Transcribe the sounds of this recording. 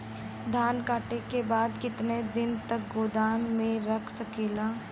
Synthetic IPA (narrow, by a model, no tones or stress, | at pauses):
d̪ʱaːnkaːʈekebaːd̪kɪt̪ned̪ɪnt̪ɐk̚ɡoːd̪aːnmẽɾɐkʰsɐkeːlaː